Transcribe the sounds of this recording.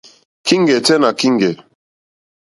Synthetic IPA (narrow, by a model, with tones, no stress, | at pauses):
kʰi˦ŋ˦ɡɛ˨tɛ˦na˨ki˦ŋ˦ɡɛ˨